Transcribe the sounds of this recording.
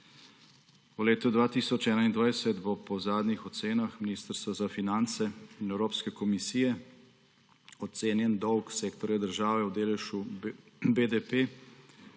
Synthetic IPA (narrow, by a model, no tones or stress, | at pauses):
uleːt̪ud̪ʋaːt̪isɔt͡ʃɛːnaind̪ʋajsɛt̪bopɔzaːd̪nixɔt̪seːnaxminiːst̪əɾst̪ʋazafinant̪sɛinɛwɾoːpskɛkɔmisijɛ | ɔt̪seːnjɛnd̪ɔwkseːkt̪ɔɾjad̪əɾʒaːʋɛwd̪eːlɛʃu | bed̪epe